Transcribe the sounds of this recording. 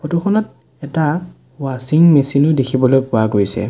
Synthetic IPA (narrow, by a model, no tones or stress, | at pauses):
pʰotuxɔnɔt̚ | ɛta | wasiŋmesinʊdekʰibɔlojpʊaɡojsɛ̰